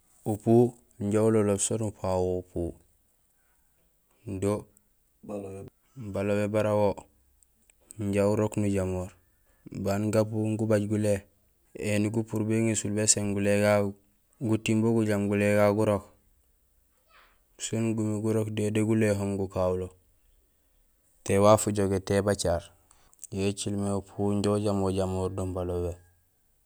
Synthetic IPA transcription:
upuː | ɲɟaulololsonupawoupu | ndo | balobebaɾawo | ɲɟauɾoknuɟamoːɾ | banɡapuŋɡubaɟɡule | eniɡupuɾbeŋesulbeseŋɡuleɡa | ɡutimboɡuɟamɡuleɡaɡuɾok | sonɡumiɡuɾokdedeɡuleɦomɡukawulo | tewafuɟoɡetebat͡ʃaːɾ | jet͡ʃilmepʰuɲɟoɟamoɟamoːɾdombalobe

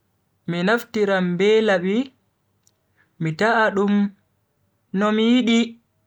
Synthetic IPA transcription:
minaftiɾambɛlaɓi | mitaʔːɗum | nɔmijiɗi

